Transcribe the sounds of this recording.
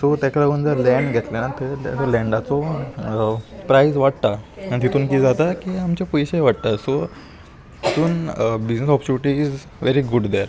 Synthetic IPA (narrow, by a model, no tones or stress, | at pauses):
sot̪ɛkəɾəɡuːnd͡zəɾlɛ̃ɳɖɡʱɛt̪lenat̪ət̪əlɛ̃ɳɖat͡sɔ | pɾajzʋaɽt̪aaɳt̪it̪uːnkiːd͡zat̪akiːamt͡ɕapɔjɕejʋaɽt̪aso | t̪it̪uːnbid͡ʑnəsɔpɾt͡ɕuniʈiid͡z | ʋeɾiɡuɖd̪ɛɾ